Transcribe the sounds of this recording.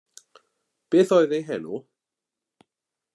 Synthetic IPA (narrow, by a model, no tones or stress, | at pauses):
b̥eːθoːɨðejɦɛnu